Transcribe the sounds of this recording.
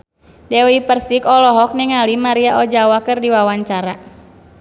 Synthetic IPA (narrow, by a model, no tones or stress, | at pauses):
dɛwipərsikɔlɔɦɔk̚niŋalimaɾiaʔɔd͡ʒawakɨrdiwawaɲt͡ʃaɾa